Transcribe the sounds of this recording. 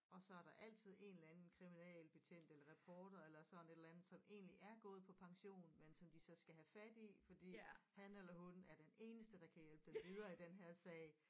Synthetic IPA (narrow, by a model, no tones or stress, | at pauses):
ɒ̽sɒ̽æɐɾ̥ɑ̈ʔæl̰t͡sʰið̞ˠe̝ːnlænn̩kʰʁiminɛ̰ːlb̥e̝t͡sʰen̰d̥elɐʁɛpʰɒːd̥ɐelɐsɒ̽n̩e̝ɾ̥elænð̩ˠsɒ̽me̝̰ːnliʔæɐɡ̥ɔ̽ːð̞̩ˠpʰɒ̽pʰɑ̈ŋɕo̝̰ːn̩mensɒ̽md̥isɒ̽sɡ̥æɦæfæd̥ifɒ̽d̥ḭːhænelɐɦunæɐd̥ene̝ːnəsd̥əd̥ɑ̈kʰæjelb̥əd̥emʋið̞ˠɐːid̥enɦæɐ̰sɛːɪ